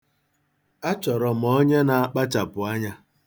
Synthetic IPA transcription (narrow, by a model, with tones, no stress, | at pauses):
a˦t͡ʃɔ˨ɾɔ˨m̩˨ɔ˦ɲe˦na˨a˦k͡pa˦t͡ʃa˨pʊ˨a˦ɲa˦